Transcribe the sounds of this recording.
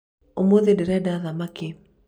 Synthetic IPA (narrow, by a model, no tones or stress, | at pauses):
omoðɪdɪɾɛdaðamakɪ